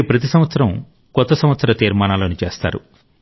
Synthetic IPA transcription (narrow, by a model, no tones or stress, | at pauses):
pɾɐt̪̬isɐmʋɐt̪sɐɾɐm | kɔt̪ːɐsɐmʋɐt̪sɐɾɐt̪iːɾmaːnaːloːnit͡ʃe̞̰ːst̪a̰ːɾṵ